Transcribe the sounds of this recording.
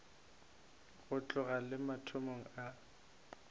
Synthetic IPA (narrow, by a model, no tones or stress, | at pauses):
ɣʊt͡ɬʼʊɣalɪmatʰʊmoŋ̩a